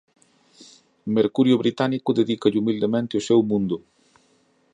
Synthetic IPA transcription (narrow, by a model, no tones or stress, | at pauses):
meɾkuɾjʊβɾit̪anikʊðeðikɐʎumild̪emẽnt̪ɪosɛwmũnd̪ʊ